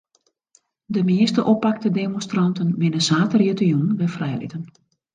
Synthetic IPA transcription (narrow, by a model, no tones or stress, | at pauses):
dəmɪːstəʔopak̚tədemonstrɑntənʋɪnəsaːtərjətəjunnʋɛfrɛjlḭtən